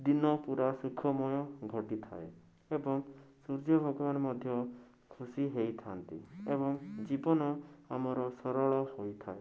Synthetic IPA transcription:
d̪inɔpuɾasukʰɔmɔjɔɡʱɔʈit̪ʰa̰e | ebɔŋsuɾd͡ʒɔbʱɔɡɔbanɔmɔd̪ʱjɔ | kʰusiɦejt̪ʰant̪ḭeβɔŋd͡ʒibɔnɔamɔɾɔsɔɾɔɭɔhojt̪ʰa̰e

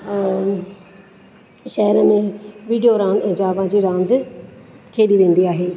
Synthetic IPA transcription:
ʃɛːɾãːmẽːʋiːɖijoːɾãːnd̪d͡ʒaːʋãːd͡ʒiːɾãːnd̪ | kʰeːɗiːʋẽːnd̪iːaːɦeː

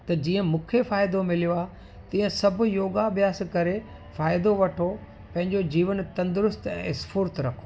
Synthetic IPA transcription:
t̪ɐd͡ʑiːə̃mũːkʰefaːɪd̪omɪlijoaːɦ | t̪ĩːə̃sɐbʱʊ̆joːɡabjaːskɐɾe | faːɪd̪oʋɐʈʰo | pɐ̃ɦɪ̃ɲd͡ʑod͡ʑiːʋənt̪ɐ̃nd̪ʊɾʊst̪ɛ̰̃ːɪsfʊɾt̪ɾɐkʰo̥ː

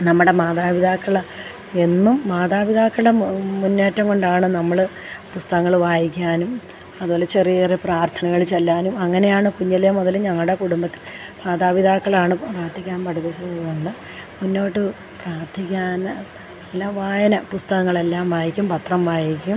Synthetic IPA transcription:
nɐmːuɽe̞maːd̪aːʋid̪aːkːɐɭ | e̞nːumːaːd̪aːʋiðaːkːɐɭɨɽemunːeːtːɐmko̞ɳɖaːɳɨnɐmːɐɭ | pust̪ɐɣɐŋːɐɭʋaːjikʲːaːnum | ɐðuʋoːlɐt͡ɕerijrepraːrt̪ʰɐnɐɣɐɭt͡ɕelːaːnumɐŋːɐne̞jaːɳɨkuɲːɐlɐjɐmoðɐlɲɐŋːɐɭɽe̞kuɽumbɐt̪ːi̥l | maːd̪aːʋiðʱaːkːɐɭaːɳɨpraːrt̪ʰikʲːaːnpɐɽuðɐsubʱuɐŋːɐɭɨ | munːo̞ːʈːɨ | praːrt̪ʰikʲːaːn | ilːaʋaːjɐnɐpust̪ɐɣɐŋːɐɭe̞lːaːmʋaːjikʲːumpɐt̪rɐmʋaːjikʲːum

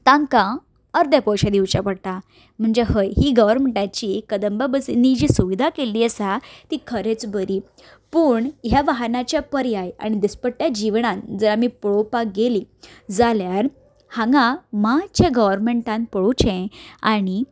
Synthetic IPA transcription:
t̪ãŋkã | əɾd̪japɔwɕad̪iwt͡ɕapəɽt̪a | m̤əɳd͡zeɦəjɦiːɡəʋəɾmeɳʈat͡ɕiːkəd̪əmbabəsinːid͡ʑiːsuʋid̪ʱakeliːəsat̪iːkʰəɾet͡sbəɾiː | puːɳɦjaʋaɦanat͡ɕjapəɾjaja̰ɽ̃id̪ispəɽʈjad͡ʑiʋɳand͡zəɾamipɭopaɡeliːd͡zaljaɾ | hãŋɡãmat͡ɕʰeɡəʋəɾmeɳʈãnpəɭut͡ɕẽaɽ̃i

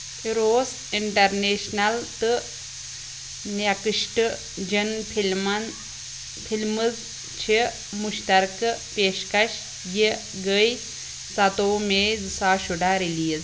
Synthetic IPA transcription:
iɾoːs | iɳʈɐɾneːʃnɐlt̪ɨ | njakɨʃʈɨ | d͡ʒənmn | pʰilmɨz | t͡ʃʰi | muʃt̪ɐɾkɨpeːʃkɐʃ | ji | ɡəj | sɐt̪oːmeːzɨsaːʃuɖaːɾiliːz

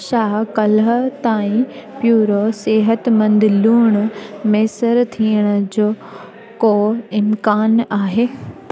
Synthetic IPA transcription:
ʃaːkɐlɦə̆t̪aːĩpjuːɾoseːɦət̪mɐ̃nd̪ɪluːɽ̃meːsəɾt̪ʰiːəɽ̃ʊ̆d͡ʑoː | koːɪmkaːnaːɦeː

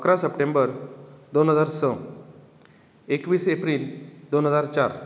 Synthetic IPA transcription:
əkɾasəpʈẽmbəɾd̪onɦəd͡zaɾsə̃ | ekʋiːsepɾiːld̪onɦəd͡zaɾt͡ɕaɾ

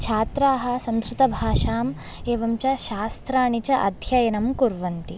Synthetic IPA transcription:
t͡ʃʰaːt̪ɾaːɦɐ̆sɐmsɾut̪ɐbʱaːʃaːm | eːʋɐmt͡ʃɐʃaːst̪ɾaːɳit͡ʃɐʔɐ̰d̪ʱjɐjɐnɐmkuɾʋɐnt̪i

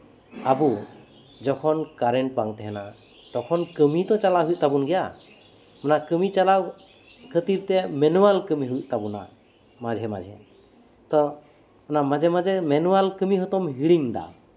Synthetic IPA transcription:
abu | d͡ʒɔkʰɔnkaɾɛɳʈ̚paŋt̪ɛɦɛna | t̪ɔkʰɔnkəmit̪ɔt͡ʃalaɦuj̚t̪abunɡɛja | mɔnakəmit͡ʃala | kʰət̪iɾt̪ɛmɛnuwalkəmiɦuc̚ˀt̪abuna̰ | mad͡ʒʱɛma̰d͡ʒʱɛ̰ | t̪ɔ | ɔnamad͡ʒʱɛmad͡ʒɛmɛnuwalkəmiɦɔt̪ɔmɦiɽiŋd̪a̰

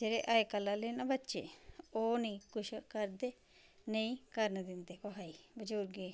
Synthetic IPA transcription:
d͡ʒeːɾeːʔaːekəlːaːleːnãːbətːʃḛːoːnə̃ĩːkʊʃkəɾd̪eː | nəĩːkəɾnd̪ɪnd̪eːkoɦaːiːbəd͡ʒuːɾɡeː

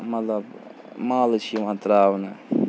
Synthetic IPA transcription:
mɐt̪lɐb | maːlt͡ʃʰimãnt̪ɾaːwna

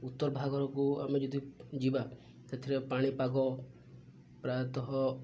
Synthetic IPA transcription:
ut̪ːɔɾɔbʱaɡɔɾɔkuamed͡ʒɔd̪id͡ʒiba | set̪ʰiɾepaɽ̃ipaɡɔ | pɾat̪ɔɦɔ

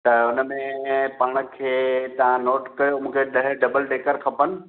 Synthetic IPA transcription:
t̪ɐʊnə̆mẽpaːɽ̃ə̆kʰeːt̪ɐʋ̤ãnoːʈkɐomũːkʰeɖɐɦɖɐbəlɖeːkəɾkʰɐpənɪ̆

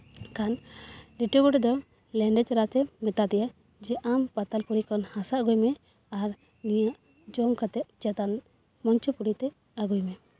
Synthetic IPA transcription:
kanliʈɔbuʈd̪ɔ | lɛɳɖɛt͡ʃɾat̪ɛmɛt̪ad̪ɛja | d͡ʒɛʔampat̪alpuɾikɔnhasaʔɡujmɛ | aɾ | nijaʔ | d͡ʒɔŋkat̪ɛʔ̪̚d͡ʒat̪an | mɔɲt͡ʃɔpuɽit̪ɛ | aɡujmɛ

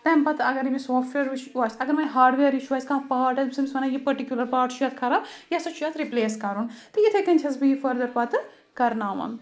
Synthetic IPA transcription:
t̪ɐːmpɐt̪ɐɡɐɾimisoːfʈʋeːɾit͡ʃʰːaːsɐɡɐɾmɐɦaːɖʋeːɾit͡ʃʰuʋaːskãːpaːʈɐbsɐmsɐnaːjipɐɾʈikjulɐɾpaːʈʃʰujɐːt̪̚kʰɐɾaːjasɐt͡ʃʰujaːt̪ɾipleːskɐɾunt̪ɐjɪt̪ʰekɐnʲt͡ʃʰɐsbiifɐɾd̪ɐɾpɐt̪ | kɐɾnaːʋɐ̰m

